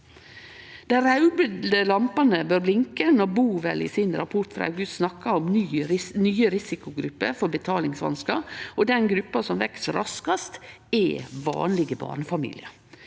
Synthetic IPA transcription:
d̪̥æɪɾɑʉbəd̪d̪əlɑmpɑnəbøːɾblɪŋkənɔɾbuːʋɛ̰lɪ̰sɪnɾɑpʰɔʈ̪fɾɑ̰ɡʉst̪snɑkːɑɔmyːnyːəɾɪsɪkʊɡɾʉpːəfɔɾbət̪ʰɑːlɪŋsʋɑ̰nskɑɾɔd̪ɛnɡɾʉpːɑsɔmʋɛksɾʔɑ̰skɑst̪ | ɛːʋɑ̰ːnlɪɡəbɑ̰ːɳəfɑmḭːlɪə

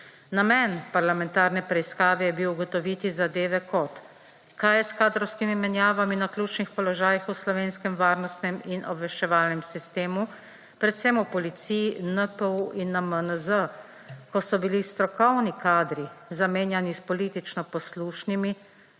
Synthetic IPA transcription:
namɛnpaɾlamɛnt̪aːɾnɛpɾɛiskaːʋɛjɛbiwuɡɔt̪ɔʋit̪izad̪eːʋɛkɔt̪ | kajɛskaːd̪ɾɔwskimimɛnjaːʋaminaklʲuːt͡ʃnixpɔlɔʒaːjixuslɔʋeːnskɛmʋaːɾnɔst̪nɛminʔɔbʋɛʃt͡ʃɛʋaːlnɛmsist̪eːmu | pɾɛt̪sɛmupɔlit̪sijinəpəuʔinːamənəzə | kɔsɔbilist̪ɾɔkɔwnikaːd̪ɾizameːnjanispɔliːt̪it͡ʃnɔpɔsluːʃnimi

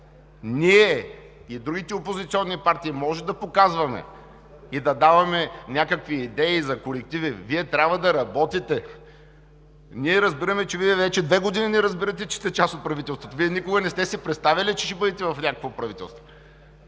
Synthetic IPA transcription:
niɛ | id̪ɾuɡʲit̪ɛopozit̪siɔnːipaɾt̪iimɔʒɛd̪ɐpokazvɐmɛ̰ | id̪ɐd̪avɐmɛnʲakəkviːd̪ɛizɐkolɛk̚t̪iviviɛt̪ɾʲabvɐd̪ɐɾɐbɔt̪it̪ɛ | niɛɾɐzbiɾɐmɛt͡ʃɛviɛvɛt͡ʃɛd̪vɛɡod̪ininɛɾɐzbiɾɐt̪̬ɛt͡ʃɛ̥st̪ɛt͡ʃasot̪̚pɾɐvit̪ɛlˠst̪vot̪oviɛnikʊɡɐnɛst̪ɛsipɾɛt̪st̪avilit͡ʃɛʃɛbɤd̪ɛt̪ɛvɐfnʲakəkvopɾɐvit̪ɛ̰lˠst̪vo

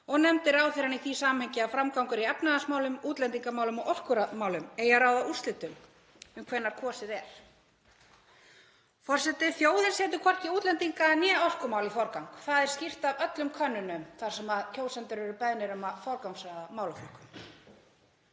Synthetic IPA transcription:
ɔɣnɛmt̪ɪɾaːwθejɾaniθisaːamhɛɲcɪawfɾamkawŋkʏɾiɛpnaðasmaːwlʏmuːt̪lɛnt̪iŋkamaːwlʏmɔɣʔɔl̥kʏɾamaːwlʏmeːjaɾawðaust̪lɪt̪ʏm | ʏmkʰvɛnːaɾ̥kʰɔːsɪðɛɾ̥ | fɔr̥sɛt̪ɪfjoːwðɪlsjɛːt̪̬ʏkʰɔr̥cɪuːt̪lɛnt̪iŋkanjɛːɔl̥kʏmaːwlifɔɾkawŋkθaðɛɾ̥scir̥t̪avœt̪lʏmkʰœnːʏnʏmθaɾ̥sɛmaðcʰoːwsɛnt̪ʏɾɛɾʏpɛðnɪɾʏmafɔwɾkawŋsaðamaːwlafɔl̥kʏ̥m

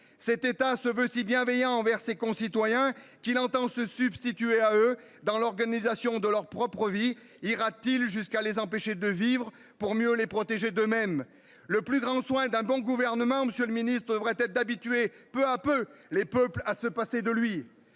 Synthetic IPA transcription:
sɛt̪et̪asəvøsibjɛ̃vɛjɑ̃ːvɛʁsekɔ̃sit̪wajɛ̃kilɑ̃t̪ɑ̃səsybst̪it̪yeaø | d̪ɑ̃lɔʁɡanizasjɔ̃d̪əlœʁpχɔpχəvi | iʁat̪ilʒyskalezɑ̃peʃed̪əvivʁə | puʁmjølepχɔt̪eʒed̪ømɛm | ləplyɡʁɑ̃swɛ̃d̪ɛ̃bɔ̃ɡuvɛʁnəmɑ̃məsjøləminist̪χəd̪əvʁɛt̪ɛt̪d̪abit̪ɥepøapølepœplasəpased̪əlɥi

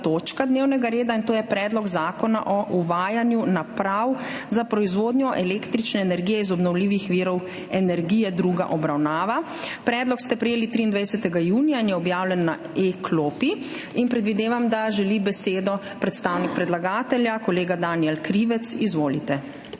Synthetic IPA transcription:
t̪oːt͡ʃkad̪neːwnɛɡaɾeːd̪aint̪oːjɛpɾɛːd̪lɔɡzaːkɔna̰ʔɔʔuʋaːjanjunapɾawzapɾɔizʋoːd̪njɔʔɛleːkt̪ɾit͡ʃnɛːnɛɾɡijɛizɔbnɔwliːʋixʋiːɾɔw | ɛnɛɾɡiːjɛd̪ɾuːɡa̰ʔɔbɾawnaːʋa | pɾɛːd̪lɔkst̪ɛpɾɛjeːlit̪ɾiːnd̪ʋajsɛt̪ɛɡajuːnijainjɛɔbjaːwlɛnːa | ekʰloːpi | inpɾɛd̪ʋid̪eːʋamd̪aʒɛlibɛseːd̪ɔ | pɾɛt̪st̪aːwnik̚pɾɛd̪laɡaːt̪ɛljakɔleːɡad̪aːniɛlkɾiːʋɛt̪sizʋoːlit̪ɛ

